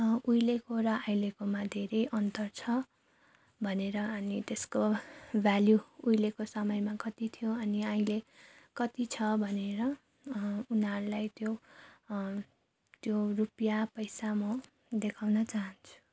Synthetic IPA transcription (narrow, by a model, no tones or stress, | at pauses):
ujlekoɾʌaj̃lekomad̪ʱeɾʌjʔʌnt̪ʌrt͡sʰʌ | bʱʌneɾʌʌnit̪eskobʱjaljuujlekosʌmʌjmakʌt̪it̪ʰijoʌniãĩlekʌt̪it͡sʰʌbʱʌneɾʌ | unɦʌɾulajt̪jo | t̪jorupjapʌjsamʌ | d̪ekʰawnʌt͡saɦʌnt͡sʰu̥